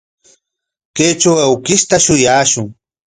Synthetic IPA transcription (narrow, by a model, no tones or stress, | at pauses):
kejt͡ʃawawkɪʃt̪aʃʊjaːʃʊŋ